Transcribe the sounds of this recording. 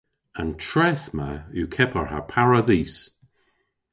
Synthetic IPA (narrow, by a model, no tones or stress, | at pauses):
antʰɹɛθma̰ukʰɛpʰəɹha̰pʰaɹaðiːs